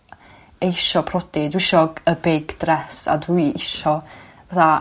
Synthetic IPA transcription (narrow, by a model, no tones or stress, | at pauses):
ejʃɔpʰrɔdɪdwɪʃɔɡəbejɡd̥rɛsa̰dujɪʃɔ | vaθa